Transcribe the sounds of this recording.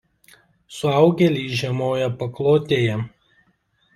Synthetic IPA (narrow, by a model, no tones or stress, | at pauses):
sʊɑˑʊɡʲɛlʲiːʒʲɛmoːjɛpɐklˠoːt̪ʲeːjɛ